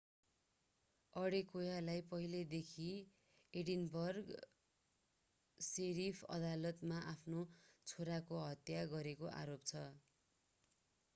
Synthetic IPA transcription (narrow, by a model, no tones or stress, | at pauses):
ʌɽekojalajpʌɦiled̪ekʰi | eɽinbʌrɡ | seɾipʰʌ̰d̪alʌt̪maʔapʰnot͡sʰoɾakoɦʌt̪jaɡʌɾekoʔa̰ɾopt͡sʰʌ